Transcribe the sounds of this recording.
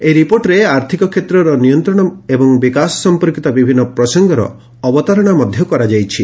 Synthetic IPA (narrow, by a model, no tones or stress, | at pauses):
eɾipoɾʈɾeaɾt̪ʰikɔkʰet̪ɾɔɾɔnijɔnt̪ɾɔɽ̃ɔebɔŋbikasɔ̥sɔmpɔɾkit̪abibʱinːɔpɾɔsɔŋɡɔɾɔ̰ː | bɔt̪ɔɾɔɽ̃amɔd̪ʱjɔkɔɾad͡ʒajt͡ʃʰi